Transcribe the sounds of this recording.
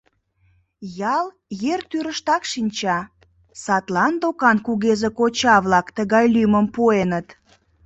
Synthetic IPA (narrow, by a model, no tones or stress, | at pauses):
jɑl | jert̪yɾəʃt̪ɑkʃinʲt͡ɕɑ | sɑt̪lɑnd̪okɑnkuɣezekot͡ɕɑβlɑkt̪əɣɑjlyməmpuenət̪